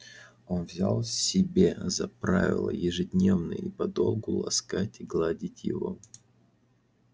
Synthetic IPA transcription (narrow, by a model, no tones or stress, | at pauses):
o̞nvzʲalˠsʲɪbʲezɐpɾavʲɪ̰lˠə̰jɪʐɨdʲnʲe̞vnɨjipɐd̪o̞lˠɡʊlˠɐ̰skatʲɪɡlˠadʲitʲjɪ̰vo̞